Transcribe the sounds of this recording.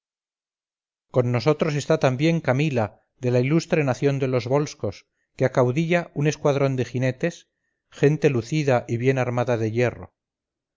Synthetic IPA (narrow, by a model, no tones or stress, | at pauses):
ko̞nːo̞so̞t̪ɾo̞s̬e̞st̪at̪ambje̞ŋkamila | ðe̞lailust̪ɾe̞naθjo̞nd̪e̞lo̞zβo̞lsko̞s | keakawðiʎaune̞skwaðɾo̞nd̪e̞xine̞t̪e̞s | χe̞nt̪e̞luθiðaʔiβje̞naɾmaðaðe̞je̞ro̞̰